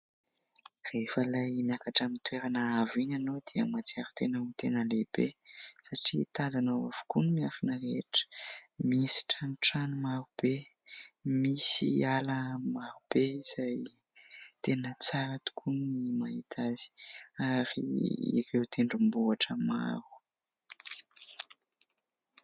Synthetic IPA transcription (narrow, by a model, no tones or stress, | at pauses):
refəlajmjakaʈ͡ʂamint̪weɾanaaviɲanod̪iəmat͡siaɾu̥t̪enat̪enəlebesaʈ͡ʂit̪azanawav̥u̥kunimiafinəɾeʈ͡ʂə̥misi̥ʈ͡ʂanʈ͡ʂanumaɾub̥e | misḭaləmaɾub̥ez̥aj | t̪enət͡saɾat̪u̥kʰunnimait̪ʰazi̥aɾḭḭɾewt̪ʰeɳɖ͡ʐumbuaʈ͡ʂəma̰ɾu̥